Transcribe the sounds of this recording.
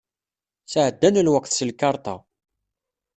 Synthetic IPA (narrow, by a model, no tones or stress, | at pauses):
səʕəd̪ːænlwækːθsəlkɑɾˤt̪ˤɑ